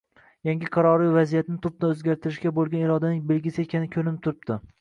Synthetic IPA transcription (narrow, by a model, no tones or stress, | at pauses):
jaŋɡʲɪqʰɑɾɒɾɪvazijat̪nɪt̪ʰʊp̚t̪anɵzɡʲaɾt̪ʰɪɾɪʃkʲabolˠɡʲanɪɾɒd̪anɪŋbelɡʲɪsɪekʲʰanɪkʲʰɵlɪnɪp̚t̪ʰʊɾɪp̚d̪̥ɪ